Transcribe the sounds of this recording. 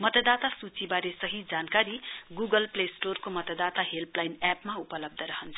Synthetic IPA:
mʌt̪ʌd̪at̪asut͡sibaɾesʌɦid͡zankaɾiɡuɡʌlplesʈorkomʌt̪ʌd̪at̪aɦelplajnapmaupʌlʌb̚d̪ʱʌɾʌɦʌnt͡sʰʌ̥

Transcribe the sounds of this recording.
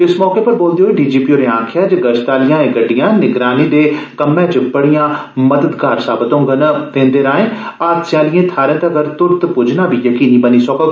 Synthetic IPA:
ɪsmɔːkepɐɾboːld̪iɦoːiɖiːd͡ʒiːpoːɾẽãːkʰjad͡ʒɡɐd͡ʒt̪aːlijãːẽɡɐɖijãnɪɡɾaːnid̪ekɐmːẽt͡ʃɪpɐɽijãmɐd̪əd̪ɡaːɾsaːbət̪õɡɐnɐp̪ẽːnd̪eɾaːẽːaːɾsjãːlijẽt̪ʰaːɾẽt̪ɐɡɐɾt̪ʊɾt̪pʊd͡ʒnabʱijɐkiːnibɐnisoko

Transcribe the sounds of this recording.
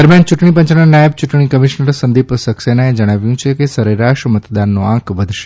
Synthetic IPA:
d̪əɾmjant͡ʃuʈɳipə̃ɲt͡ʃnanajəbt͡ʃuʈɳ̃ikəmiʃnəɾsənd̪ipsəksenaed͡ʒəɽ̃aʋjũt͡ʃʰekesəɾeɾaʃmət̪d̪anːoãkʋəd̪ʱʃe̥

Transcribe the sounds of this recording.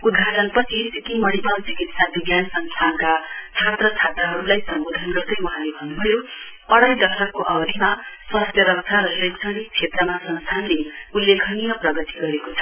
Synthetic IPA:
ud̪̚ɡʱaʈʌnpʌt͡sʰit͡sikimʌɽipʌlt͡sikit̪sabiɡjanʌsʌŋsʰankat͡sʰat̪rʌt͡sʰat̪rʌɦʌɾulajsʌmbod̪ʱʌnɡʌrd̪ʌjwuɦãlebʱʌnːubʱʌjo | ʌɽʌjd̪ʌsʌkkoʔʌbʌd̪ʱimaswʌst̪jʌɾʌk̚t͡sʰaɾʌsekt͡sʰʌnik̚t͡sʰet̪rʌmasʌnst̪ʰanleulːekʰʌnijʌprʌɡʌt̪iɡʌɾekot͡sʰʌ̥

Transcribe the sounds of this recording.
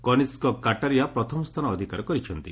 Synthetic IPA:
kɔniskɔkaʈaɾijapɾɔt̪ʰɔmɔst̪ʰanɔːd̪ʱikaɾɔkɔɾit͡ʃʰɔnt̪i

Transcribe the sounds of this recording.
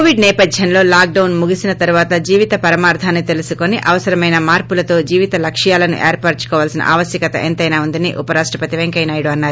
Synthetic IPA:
oʋiɖnɛːpɐd̪ʱjɐnlo̞ːlaːk̚ɖɐwnmuɡisinɐt̪ɐɾuʋaːt̪ɐd͡ʒiːʋit̪ɐpɐɾɐmaːɾd̪ʰʱaːnːit̪e̞lusuko̞niʔɐʋɐsɐɾɐmɐjnɐmaːɾpulɐt̪o̞ːd͡ʒiːʋit̪ɐlɐkʂjaːlɐnṵʔeːɾpaːʈt͡ʃu̥kɔːʋaːlsinɐ̰ʔa̰ːʋɐsjɐkɐt̪ɐ̰ʔent̪ɐjnaːund̪inḭʔupɐɾaːʂʈɾɐpɐt̪iʋeŋkɐjnaːjɽuɐnːaːɾu

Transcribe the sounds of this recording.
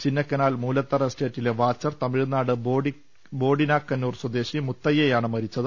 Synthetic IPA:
t͡ɕinːɐkːɐnaːlmuːlɐt̪ːɐrɐste̞ːtːile̞ʋaːt͡ɕːɐrt̪ɐmiɻnaːɽɨboːi | bo̞ːɖinaːkːɐnːuːrswɐd̪e̞ːɕimut̪ːɐjejaːɳɨmɐɾit͡ɕːɐðɨ

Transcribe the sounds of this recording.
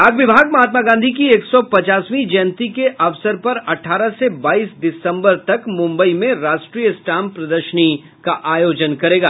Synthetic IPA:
aːɡʋɪbʱaːɡmɐɦaːt̪maɡãːnd̪ʱik̬ieːksɔpɐt͡ʃaːsʋĩd͡ʒɛːnt̪ikeʔɐʋsəɾpɐɾɐʈʰaːɾasebaːiːsdɪsə̃mbəɾt̪ɐkmʊ̃mbəimẽɾaːʃʈɾiːjəsʈaːmpɾɐd̪əɾʃəni | kaʔaːjoːd͡ʒənkɐɾeːɡaː

